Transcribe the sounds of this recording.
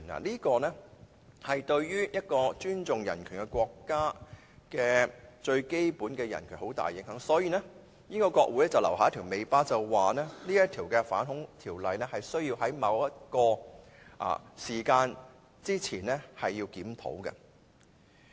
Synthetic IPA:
na̰ː˨˩liː˥kɔː˧nɛ˥ | hɐ˨jt̪ɵ˧ɥjyː˥jɐ˥t̚kɔː˧t͡ʃyː˥nt͡ʃʊ˨ŋjɐ˨˩nkʰy˨˩nkɛ˧kʷɔː˧kːaː˥ | kɛː˧t͡ʃɵ˧ɥke˥jpuː˨˥nkɛː˧jɐ˨˩nkʰyː˨˩nho˨˥wt̪a̰ː˨˩jːɪ˨˥ŋɦœː˨˥ŋsɔː˨˥jiː˨˩nɛ˥ | niː˥kɔː˧kʷwɔː˧k̚wu˨˥jlɛ˥t͡sɐ˨wlɐ˨˩whaː˨˧˦t̪ʰiː˨˩wme˨˧jpaː˥t͡sɐ˨wːaː˨nɛː˥niː˥jɐ˥t̪ʰiː˨˩wkɛ˧fa̰ː˨˥nɦʊ˨˥ŋt̪ʰiː˨˩wlɐ˨jnɛ˥hɐ˨jsɵ˥ɥjiː˧whɐ˨˥jmɐ˨˧wjɐ˥t̚kɔː˧ | ʔa̰ː˨siː˨˩kaː˧n | t͡siː˥t͡sʰiː˨˩nlɛ˥hɐ˨jːiː˧wkiː˨˥mt̪ʰo̰˨˥wkɛ̰˧

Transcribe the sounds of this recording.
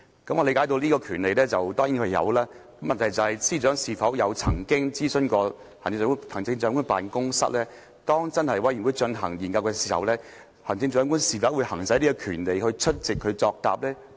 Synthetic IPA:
kɐ˨˥mʔɔː˨˧le˧kaː˨˥jt̪̬o˧wliː˥kɔː˧kʰyː˨˩nle˨jlɛː˥t͡sɐ˨wt̪ɔː˥ŋji˨˥hʰjɐ̰˨˧wlaː˥kɐ˨˥mːɐ˨nt̪ʰɐ˨˩jt͡sɐ˨˩hɐ˨jsiː˥t͡ʃœː˨˥ŋsiː˨˩fɐ˨˥wjɐ˨˧wt͡sʰɐ̰˨˩ŋkɪ˥ŋt͡siː˥sɵ˧nkɔː˧˨˩ | ŋɪ˧˨˧hʰɐ˨˩ŋt͡sɪ˧ŋt͡sœː˨˧˥ŋkʊ˥pa̰ː˨nkʊ˥ŋsɐ̰˥t̚lɛː˥ | t̪ɔː˥ŋt͡sɐ˥nhɐ˨˩jwɐ˨˥jyː˨˩wu˨˧jt͡ʃɵ˧nɦɐ˨˩ŋjiː˨˩nkɐ˧wkɛː˧siː˨˩hɐ̰˨˧wlɛː˥ | hɐ˨˩ŋt͡sɪ˧ŋt͡ʃœː˨˧˥ŋkʊ˥nsiː˨˩fɐ˨˥wuː˨˧jhɐ˨˩ŋsɐ˨˥jnli˥kɔː˧kʰyː˨˩nle˨jhɵ˧ɥt͡ʃʰɵ˥t̚t͡sɪ˨kʰːɵ˨˧ɥt͡sɔː˧k̚t̪a̰ː˨p̚lɛː˥

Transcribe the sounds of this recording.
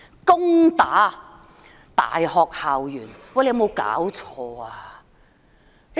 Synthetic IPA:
kʊ˥ŋt̪aː˨˥ | t̪a̰ː˨jhɔː˨k̚haː˨wjyː˨˩nwa˧˩le˧jmo˨˧wka̰ː˨˥wt͡ʃʰɔː˧aː˧

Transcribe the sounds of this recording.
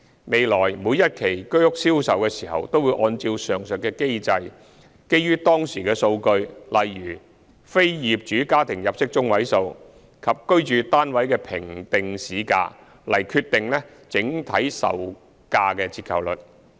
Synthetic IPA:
me˨˧jlɔː˨˩jmuː˨˧jɐ˥t̚kʰe˨˩jkɵ˥ɥhʊ˥k̚siː˥wsɐ˨wkɛː˧siː˨˩hɐ̰˨wt̪o˥wu˨˧ʔɔː˧nt͡si˧wsœː˨˩ŋsɵ˨t̚kːɛː˧ke˥jt͡sɐ˧j | ke˥jyː˥t̪ɔː˥ŋsiː˨˩kɛː˧so˧wkɵ˧ɥlɐ˨jyː˨˩ | fe˥jjiː˨p̚t͡ʃyː˨˥kaː˥t̪ʰɪ˨˩ŋjɐ˨p̚sɪ˥k̚t͡ʃʊ˥ŋwɐ˨˥jso˧w | kʰɐ˨p̚kɵ˥ɥt͡ʃyː˨˧t̪aː˥nwɐ˨˥jkɛː˧pʰɪ˨˩ŋt̪ɪ˨ŋsiː˨˥ka̰ː˧ | lɐ˨˩jkʰyː˧t̪ːɪ˨ŋlɛ˥ | t͡sɪ˨˥ŋt̪ʰɐ˨˥jsɐ̰˨w | kaː˧kɛː˧t͡sʰiː˧t̚kʰɐ˨˩wlɵ˨t̚

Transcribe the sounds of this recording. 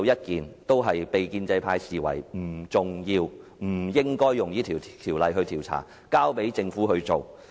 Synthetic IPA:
wjɐ˥t̚kiː˨nt̪o˥wɦɐ˨jpe˨jkiː˧nt͡sɐ˧jpʰaː˧jsiː˨wɐ̰˨˩jm̩˨˩t͡sʊ˨ŋjiː˧wm̩˨˩jɪ˥ŋkɔː˥jːʊ˨ŋjiː˥t̪ʰiː˨˩wt̪ʰiː˨˩wlɐ˨jɦɵ˧ɥt̪ʰiː˨˩wt͡sʰa̰ː˨˩ | kaː˥wpe˨˥jt͡sɪ˧ŋfuː˨˥hɵ˧ɥt͡so˨˩w

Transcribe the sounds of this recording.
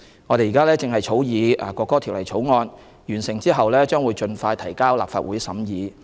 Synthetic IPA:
ŋɔː˨˧ɾe˨jːkaː˥lɛː˥t͡sɪ˨ŋɦɐ˨jt͡sʰo˨˥wjiː˨˧aː˨˩kɔː˧kːɔː˥t̪ʰi˨˩wlɐ˨˩jt͡ʃʰo˨˥wŋɔː˧n | jyː˨˩nsɪ˨˩ŋt͡siː˥ɦɐ˨wlɛː˥t͡ʃœː˥ŋwu˨˧jt͡ʃɵ˧nfaː˧jt̪ʰɐ˨˩jkaː˥wlaː˨pfa̰ː˧t̚wuː˨˥jsɐ˨˥mjiː˨˧

